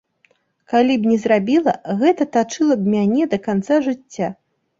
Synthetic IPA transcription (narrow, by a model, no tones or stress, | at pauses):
kalʲibnʲɛzɾabʲilˠɐ̰ɣɛt̪ɐt̪at͡ʂɨlˠɐbmʲanʲɛd̪ɐkant̪saʐɨt͡st͡sʲːa